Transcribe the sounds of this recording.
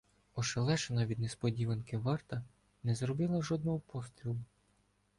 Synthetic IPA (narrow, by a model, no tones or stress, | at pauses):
ɔʃelˠɛʃenɐʋʲid̪nɛspɔdʲiʋɐnkɪʋɑrt̪ɐ | nɛzɾɔbɪlˠɐʒɔd̪nɔɦɔpɔst̪ɾʲilˠʊ